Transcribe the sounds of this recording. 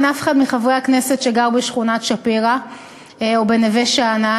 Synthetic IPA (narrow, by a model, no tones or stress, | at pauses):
nafe̥χadmiχavʁejakne̞set̪ʃeɡaʁbeʃχunat̪ʃapiʁa | obeneveʃaana